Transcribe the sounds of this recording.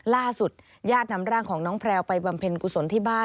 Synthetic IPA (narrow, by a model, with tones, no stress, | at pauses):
laː˥˩su˨˩t̪̚ | jaː˥˩t̪̚na˦˥mɾaː˥˩ŋkʰɔː˩˦ŋnɔː˦˥ŋpʰɾɛː˧wpa˧jba˧mpʰe˧nku˨˧˩so˩˦nt̪ʰiː˥˩baː˥˩